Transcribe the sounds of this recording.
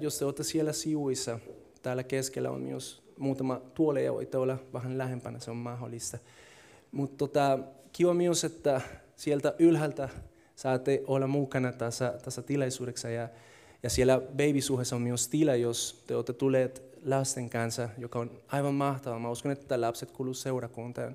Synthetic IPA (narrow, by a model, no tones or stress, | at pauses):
jost̪eot̪ːesielæsiʋuisːɑ | t̪æːlːækeskelːæ̰o̰nmḭus | muːt̪ɑmɑt̪uolejɑ̰ʋo̰it̪ːeolːɑʋæɦanlæhempænɑseommɑɦolist̪ɑ | mut̪ːot̪ɑkiʋɑmiuset̪ːæ | sielt̪æʔylɦælt̪æ | sɑːt̪ːeʔolːɑmukɑnɑt̪asːɑt̪asːɑt̪ilɑjsuːɾeksɑjɑ | jɑsielæbeibisuhesːommiust̪ilɑjost̪eot̪ːet̪ulet̪ | lɑst̪eŋkɑnsɑjokɑonɑiʋɑmmɑht̪ɑʋɑmɑuskonet̪ːælɑpset̪kuluseuɾɑkunt̪ɑ̰n